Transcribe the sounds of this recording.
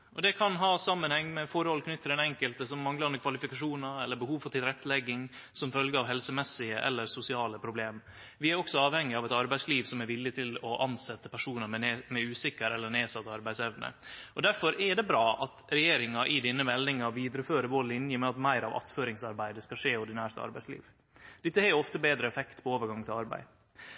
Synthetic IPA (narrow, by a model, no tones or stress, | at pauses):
ʔɔd̪ɛkʰɑnɦɑːsɑmːənhɛŋːmɛfɔɾəhɔlːəkʰnʏt̪ʰːɪlɛnɛŋkəlt̪əsɔmːɑŋɡləɾɑnəkʰʋɑlɪfɪkɑʂuːnɑɛlːəɾbəhuːʋfɔɾʈ̪ʰɪlɾɛt̪ːəlɛɡːɪŋ | sɔmfœlɡəɾɑʋɦɛlsəmɛsːɪəʔɛ̰lːəɾsʊsɪɑːləpʰɾʊbleːm | ʋɪæɾɔksɔɑːʋhɛŋːɪɑʋɛt̪ɑɾbæɪsliːʋsɔmæɾʋɪlːɪt̪ʰɪlɔʔɑnsɛt̪ːəpʰæʂuːnəɛmɛʉːsɪkːəɾɛlːəneːsɑt̪ːɑɾbæɪsɛʋnə̰ʔɔd̪æɾfɔɾɛɖɛbɾɑːʔɑt̪ɾɛjeːɾɪŋɑʔɪd̪ɪnːəmɛlnɪŋɑʋiːd̪ɾəføːɾəbolɪnjəmɛɑt̪mæɪɾɑ̰ʋʔɑ̰t̪føːɾɪŋsɑɾbæɪd̪əskɑʂeːɔɾɖ̪ɪnæːɾt̪ɑ̰ɾbæɪslḭːʋ | d̪ɪt̪ːəhɛɪɔft̪əbeːd̪ɾəɛfɛkt̪pʰɔoːʋəɾɡɑŋt̪ʰɪlɑɾbæ̰ɪ